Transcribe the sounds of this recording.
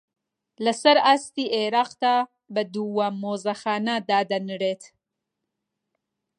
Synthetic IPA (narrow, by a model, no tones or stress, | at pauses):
lasaɾast̪iʔeɾɑqt̪a | bəd̪uwamozaxɑːnad̪aːd̪anəɾet̪